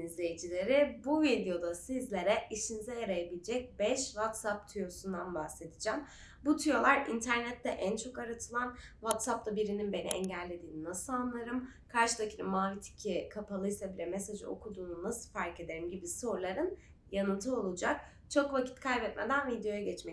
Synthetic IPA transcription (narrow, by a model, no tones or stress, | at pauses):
nizlʲejed͡ʒilʲe̞ɾɪbuvid̪ijo̞d̪asizlʲe̞ɾɛiʃinizɛjaɾajabilʲed͡ʒɛc̚bɛʃvat̪sap̚t̪ʰujo̞sund̪anbaxse̞d̪id͡ʒam | but̪ʰujo̞lˠaɾint̪ʰæɾnɛt̪ʰːɛʔænt͡ʃʰo̞kaɾat̪ʰɯlˠanvat̪sap̚t̪ʰabiɾininbe̞nḭʔɛ̰ɲɟælʲːe̞d̪iːninasɯlˠanlˠaɾɯm | kʰaɾʃɯd̪acʰinɯmaːvit̪ʰi̥cʰikʰapʰalˠɯjsabilʲɛmesad͡ʒɯ̰o̞̰kʰud̪uːnumɯz̥faɾke̞d̪e̞ɾimɟibiso̞ɾlˠaɾɯn | janɯnt̪ʰɯo̞lˠud͡ʒak̚ | t͡ʃʰo̞kvacʰi̥t̪kʰajbɛt̪med̪ænvid̪ejo̞jaɟɛt͡ʃmɛ